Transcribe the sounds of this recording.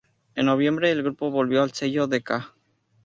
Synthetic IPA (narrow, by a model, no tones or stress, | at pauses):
enːo̞β̞je̞mbɾe̞ːlɣɾupo̞βo̞lβjo̞alse̞ʝoðeka